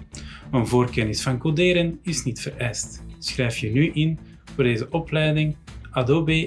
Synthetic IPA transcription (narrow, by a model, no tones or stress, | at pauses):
ənvoːrkɛnɪsfɑnkodeːɾənɪsnitfəɾɛjstsxrɛjfjənyʔɪn | v̥oːrdeːzəʔɔplɛjdɪŋadoːbe